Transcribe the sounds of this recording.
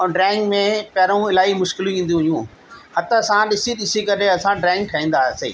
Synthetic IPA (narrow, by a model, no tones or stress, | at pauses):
ɖɾɛ̃ːɪ̃ŋɡmẽpɐɾũɪlaːimʊʃkɪl̃ĩːn̆d̪iũɦjũː | hɐt̪əsãɗɪsiɗɪsikɐɾeɐsãɖɾɛ̃ːŋɡ̚ʈʰaĩːn̆d̪aːsḛː